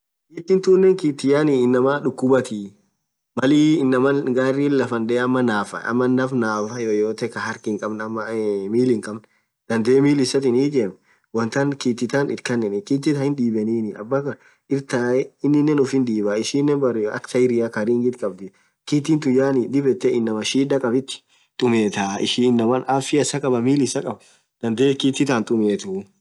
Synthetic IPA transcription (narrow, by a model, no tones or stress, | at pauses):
kiːt̪ːɪnt̪unːɛŋkiːt̪ːɪjaːniːɪnːɐmaːᶑʊkːʊbɐt̪i | mɐliːɪnːɐmɐnɡaːrːiːlɐfɐnd̪ɛɐmːɐnaːfɐ̰ɐ̰mːɐnːɐfnaːfɐjojoːt̪ɛkɐhɐɾkɪŋkʼɐbnɐmːɐmiːlɪŋkʼɐbn | d̪̥ɐnd̪eːmiːlɪsɐt̪ɪniːd͡ʒeːm | wɐnt̪ɐnkiːt̪ːɪt̪anɪɾkɐnːɛnɪkiːt̪ːɪt̪ɐhɪnᶑiːbɛniːnɪʔɐ̰bːakɐɾ | ɪɾt̪aːɛɪnːɪnːɛnʊfhɪnᶑ̪iːbaːɪʃiːnːɛnbɐɾɛɐ̰kt̪ɐɪɾɪjakɐɾiːŋɡɪt̪kʼɐbd̪ɪ | kiːt̪ːɪnt̪ʊjaːnɪd̪ɪbɛt̪ːɛʔɪnːɐmɐʃiːd̪ɐkʼɐbɪt̪ːɪ̥ | t̪ʼʊmeːt̪aːɪ̰ʃiːnːɐmɐnaːfɪɐsɐkʼɐbɐmiːlɪsɐkʼɐb | d̪̥ɐnd̪eːkiːt̪ːɪt̪ant̪ʼʊmeːt̪ʊ